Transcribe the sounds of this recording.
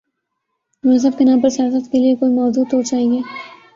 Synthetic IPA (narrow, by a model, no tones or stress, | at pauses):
mʊs̬əb̚kenãːpɐɾsijaːsət̪keliekoːimɔːduːd̪ɦod͡ʒaːɦieː